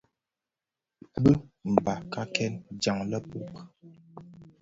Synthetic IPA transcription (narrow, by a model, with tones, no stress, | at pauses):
bə˦m̩˨ba˨ka˦kɛ˦nd͡ʒa˨ŋlə˦pu˦˨k